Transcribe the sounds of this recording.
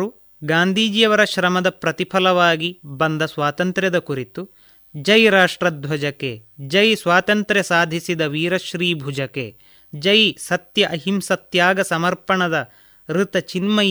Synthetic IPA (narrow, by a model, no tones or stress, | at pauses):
u | ɡaːnd̪ʱiːd͡ʒijɐʋɐɾɐʃɾɐmɐd̪ɐpɾɐt̪ipʰɐlɐʋaːɡibɐnd̪ʱɐsʋaːt̪ɐnt̪ɾjɐd̪ɐkuɾit̪u | d͡ʒɐjɾaːʂʈɾɐd̪ʱʋɐd͡ʒɐkḛd͡ʒɐjsʋaːt̪ɐnt̪ɾesaːd̪ʱisid̪ɐʋiːɾɐʃɾiːbʱud͡ʒɐkḛ | d͡ʒɐjsɐt̪jɐʔɐɦimsɐt̪jaːɡɐsɐmɐɾpɐɳɐd̪ɐ | ɾut̪ɐt͡ʃinmɐ